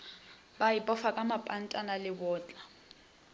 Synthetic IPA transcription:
baipʼɔfakʼamapʼan̩tʼanalɪbʊːt͡ɬʼa

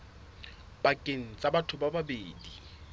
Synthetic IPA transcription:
bakʼen̩t͡sʼabatʰʊbababeːdi

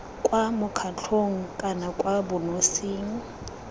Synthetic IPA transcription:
kʼwamʊkʰat͡ɬʰoŋ̩kʼanakʼwabʊnosiːŋ̩

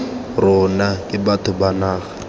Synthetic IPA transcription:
rʊnakʼɪbatʰʊbanaːɣḁ

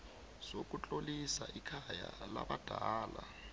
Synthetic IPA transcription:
z̥ok̬ʼut͡ɬʼolisaʔikʰaja̰la̰ɓad̥ʱaːla

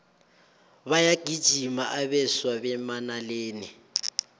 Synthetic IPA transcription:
βajaɡ̥ʱid̥ʒ̥ʱimaʔaβɛswaβɛmanaleːni

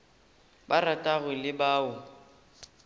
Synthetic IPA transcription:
baratʼaɣɪlɪbaːʊ

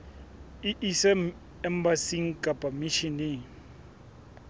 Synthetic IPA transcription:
iʔisɛm | ɛmbasiŋ̩kʼapʼamiʃini

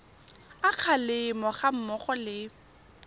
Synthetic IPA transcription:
aq͡χʰalɪmɔχam̩mɔχɔlɪ

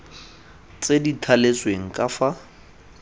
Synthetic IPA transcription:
t͡sʼeditʰalesweŋ̩kʼafa

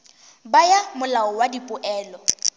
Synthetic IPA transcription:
bajamʊlaɔwadipʼʊʔɛːlɔ

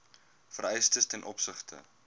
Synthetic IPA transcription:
fəɾɛjstəstɛnʔɔpsəχtʰə̰

